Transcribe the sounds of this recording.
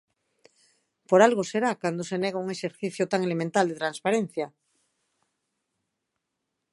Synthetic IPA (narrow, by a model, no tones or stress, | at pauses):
poɾalɣoseɾakand̪oseneɣauŋeʃeɾθiθjot̪aŋelemẽnt̪ald̪et̪ɾanspaɾen̟θja